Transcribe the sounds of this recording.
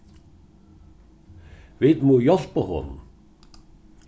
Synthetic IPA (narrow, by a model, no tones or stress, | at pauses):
vit̪mujɔl̥paɦɔ̰n